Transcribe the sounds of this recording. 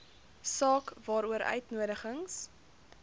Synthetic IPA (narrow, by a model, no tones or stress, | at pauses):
sɑːkvɑːɾuəɾœ̰ɥtnuəɾəχəŋs